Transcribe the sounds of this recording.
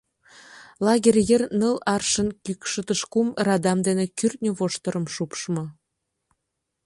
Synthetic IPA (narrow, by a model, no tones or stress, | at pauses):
lɑɡʲerʲjernəlɑrʃə̆nkykʃət̪əʃkumrɑd̪ɑmd̪enekyrt̪̚nʲoβoʃt̪ə̆ɾə̆mʃupʃmɤ̆